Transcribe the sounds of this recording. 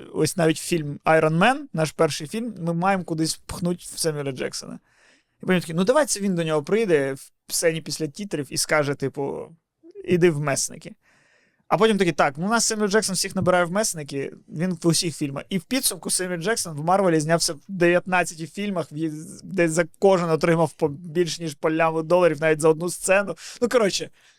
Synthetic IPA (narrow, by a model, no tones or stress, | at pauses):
ɔ̰sʲnɑʋʲitʲfʲilʲmɐjɾɔnmɛnnɑʃpɛrʃɪjfʲilʲmːɪmɑjemkʊd̪ɪsʲpxnutʲwsɛmʲilʲɐd͡ʒɛ̰ksɔ̰nɐ̰ | ipɔt̪ʲimt̪ɔkʲinud̪ɐʋɑjt̪sɛʋʲind̪ɔnʲɔɦɔpɾɪjd̪ɛ | sɛnʲipʲisʲlʲɐtʲit̪ɾʲiwiskɑʒɛt̪ɪpʊ̰ | id̪ɪwmɛsnɪ̰kɪ | ɐpɔtʲimt̪ɐkʲit̪ɑknunɑsːɛmʲilʲd͡ʒɛksɔnfsʲixnɐbeɾɑjɛwmɛsnɪkɪʋʲinʊsʲixfʲilʲmɐ̰xiwpʲid̪sʊmkʊsɛmʲilʲd͡ʒɛksɔnwmɑrʋɔlʲizʲnʲawsʲɐd̪eʋʲjɐt̪nɑt͡sʲːɐtʲifʲilʲmɐxjid̪ɛzɐkɔʒɪnɔt̪ɾɪmɐwpɔbʲilʲʃnʲiʒpɔlʲːamɪd̪ɔlˠɐɾʲiwnɑʋʲitʲzɐɔd̪nust̪sɛnʊnukɐɾɔt͡ʃɪ